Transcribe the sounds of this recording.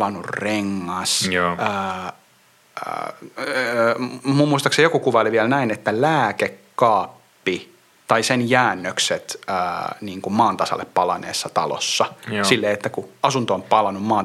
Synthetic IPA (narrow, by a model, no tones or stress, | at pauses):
lɑnurreŋːɑsəː | mummuist̪ɑksejokukuʋɑoliʋiælnæinet̪ːælæːkekːɑːpːi | t̪ɑisenjæːnːøkset̪əːniːŋkummɑːnt̪ɑsɑ̰lːeppɑlɑ̰nḛːsːɑt̪ɑ̰lo̰sːɑsilːeːet̪ːækuɑsunt̪oompɑlɑnummɑːn